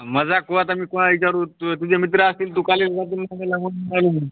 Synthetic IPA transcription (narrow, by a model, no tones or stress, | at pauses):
məd͡zakoʋat̪̬amiːkoɽ̃aʋit͡ɕaɾuːt̪t̪ud͡ʑemit̪̬ɾəəst̪iːlt̪ukalelsat̪̬ilmaɡalaɦoɽnalumə